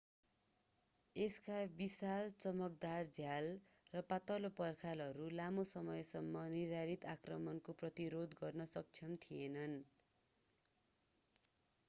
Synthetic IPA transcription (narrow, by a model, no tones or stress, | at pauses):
eskabisalt͡sʌmʌk̚d̪ard͡zʱjal | rʌpat̪ʌlopʌrkʰalɦʌɾulamosʌmʌjsʌmːʌniɾaɾit̪akrʌmʌnkoprʌt̪iɾod̪ɡʌrnʌsʌk̚t͡sʰʌnt̪ʰienʌn